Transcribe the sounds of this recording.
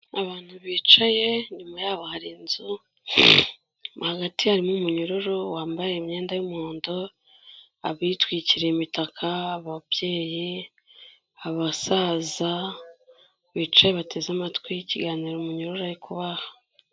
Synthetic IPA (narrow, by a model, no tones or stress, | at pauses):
aβaːn̥huβiːt͡ʃaje̞ɲumajaːβohaɾinzu | haɡatihaɾimumuɲuɾoɾowaːmbajemɲe̞ːndajumoːndo | a̰βitwiːciɾe̞imitakʰaːβaβje̞ːji | aβasaːza | βiːt͡ʃaje̞βatʰe̞zamatkwijiciɡaːniːɾomuɲuɾoɾaɾikuβahḁ